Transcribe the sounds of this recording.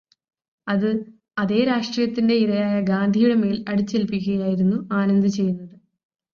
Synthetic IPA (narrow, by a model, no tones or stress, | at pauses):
ɐðɨ | ɐðe̞ːɾaːʂʈriːjɐt̪ːinde̞iɾɐjaːjɐɡaːnd̪ʱijuɽɐme̞ːlɐɽut͡ɕːelpikuɣɐjaːjiɾunːuaːnɐnd̪ɨt͡ɕe̞jːunːɐðɨ